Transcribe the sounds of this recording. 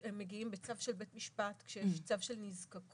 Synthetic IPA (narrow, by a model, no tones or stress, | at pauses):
emːeɡiimbet͡savʃelbetmiʃpat̪kʃejeʃt͡savʃelnizkakʰ